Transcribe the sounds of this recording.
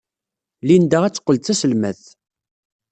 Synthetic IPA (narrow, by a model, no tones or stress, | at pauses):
lind̪əʁæt͡sːə̥qːəlθæsəlmæθ